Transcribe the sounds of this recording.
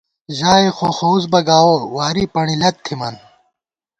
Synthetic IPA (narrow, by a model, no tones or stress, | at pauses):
ʑaːixʰoxoːzbɐɡaːwowaːɾipɐɳilɐt̪̚t̪ʰːimɐn